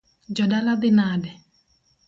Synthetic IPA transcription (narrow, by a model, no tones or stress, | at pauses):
d͡ʒɔdalad̪ɪnaːdɛ